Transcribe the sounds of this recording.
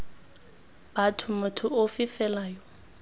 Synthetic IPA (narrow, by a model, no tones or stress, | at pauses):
b̥atʰʊmʊtʰʊʊfɪfɛlaːjɔ